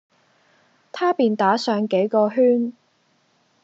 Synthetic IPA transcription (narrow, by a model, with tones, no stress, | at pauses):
t̪ʰaː˥piː˨˩nt̪aː˨˥sœː˨˧ŋke˨˥jkɔː˧ɦyː˥n